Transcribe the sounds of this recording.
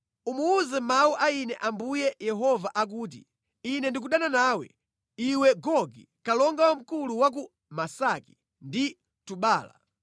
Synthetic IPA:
umuuzɛmauʔainɛʔambujɛjɛɦɔvaʔak̬uːt̬ḭ | inɛndik̬uɗananaːwɛ̰ | iwɛɡɔɡi | kalɔŋɡawam̩kuluwak̬u | masaki̥ | ndi | tuɓaːla̰

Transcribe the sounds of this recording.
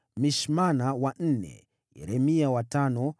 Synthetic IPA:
miʃmanawan̩nɛ̰ | ɛ̰ɾɛmiawatanɔ

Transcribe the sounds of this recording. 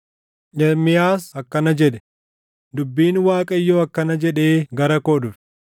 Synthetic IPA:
ɲɐmɪjaːsɐkːɐnɐd͡ʒɛᶑɛ̥ | d̪ʊbːiːnwaːkʼɐɪjːoːɐkːɐnɐd͡ʒɛᶑeːɡɐɾɐkoːd̪ʊfɛ̥

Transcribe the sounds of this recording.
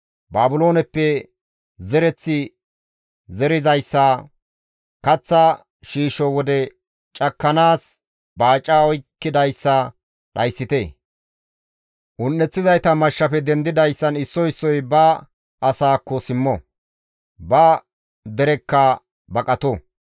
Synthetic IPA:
baːbʊlo̞ːnɛpːɛ | zɛɾɛt͡sːɪ | zɛɾɪzɐjsːɐ | kɐt͡sːɐ | ʃiːʃɔwɔd̪ɛ | t͡ʃʼɐkːɐnaːs | baːt͡ʃʼːaːɔjkːɪd̪ɐjsːɐ | ɗɐjsːɪt̪eː | ʔʊnːɛt͡sːɪzɐjt̪ɐmɐʃːɐpɛd̪ɛnd̪ɪd̪ɐjsːɐnɪsːɔɪsːɔjbɐ | ʔɐsaːkːɔsɪmːɔ | bɐ | d̪ɛɾɛkːɐ | bɐkʼɐt̪ɔ

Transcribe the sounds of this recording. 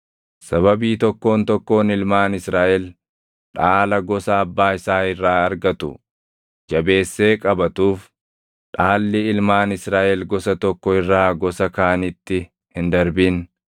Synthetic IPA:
sɐβɐbiːt̪ɔkːo̞ːnt̪ɔkːo̞ːnɪlmaːnɪsɾaːʔɛl | ᶑaːlɐɡɔsɐːbːaːɪsaːɪrːaːɐɾɡɐt̪ʊ̰ | d͡ʒɐbe̞ːsːe̞ːkʼɐbɐt̪uːf | ᶑaːlːɪɪlmaːnɪsɾaːʔɛlɡɔsɐt̪ɔkːɔɪrːaːɡɔsɐkaːnɪt̪ːɪ | hɪnd̪ɐɾbin

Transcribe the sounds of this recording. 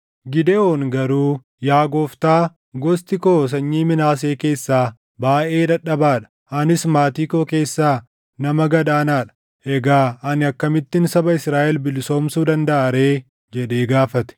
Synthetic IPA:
ɡɪd̪ɛoːŋɡɐɾuː | jaːɡoft̪aː | ɡɔst̪ɪkoːs̬ɐɲːiːmɪnaːs̬e̞ːke̞ːsːaː | baːʔe̞ːᶑ̪ɐᶑːɐbaːᶑɐ̥ | ɐnɪsmaːt̪iːkoːke̞ːsːaː | nɐmɐɡɐd̪aːnaːᶑɐ̥ | ʔɛɡaːɐnɪɐkːɐmɪt̪ːɪnsɐbɐɪsɾaːʔɛlbɪlso̞ːmsuːd̪ɐnd̪ɐʔaːɾe̞ː | d͡ʒɛᶑeːɡaːfɐt̪ɛ̥

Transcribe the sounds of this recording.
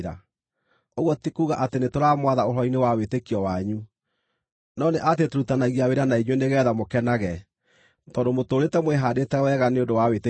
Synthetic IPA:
ɾa̰ | oɣwɔtikuːɣaʔatenetoɾamwaðaolɔinewawetekiɔwaɲu | nɔneʔatetoɾutanaɣiaweɾanaiɲweneɣɛːðamokɛnaɣɛ | tɔːdomotoːɾetɛmwɛɦadetɛwɛɣaneodowawete

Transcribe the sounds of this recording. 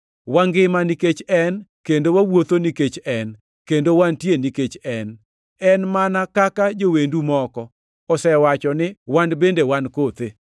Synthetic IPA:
waŋɡɪmaniket͡ʃɛnkendowawot̪oniket͡ʃɛn | kendowantjeniket͡ʃɛn | ɛnmanakakad͡ʒowendumɔkɔ | ɔsɛwat͡ʃɔnɪwanbendewankot̪e

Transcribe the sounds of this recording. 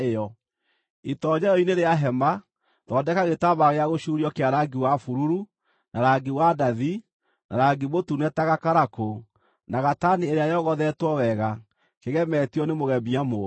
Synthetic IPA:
ejɔ | itɔɲɛɾɔineɾeaɦɛmba | ðɔdɛkaɣetaβaɣeaɣoʃuɾiɔkeaɾaɡiwafuɾuɾu | naɾaɡiwadaði | nʔa̰ɾaɡiβotunɛtaɣakaɾako | naɣatanieɾeajɔɣɔðɛtwɔwɛɣa | keɣɛmɛtiɔnemoɣɛmiamo

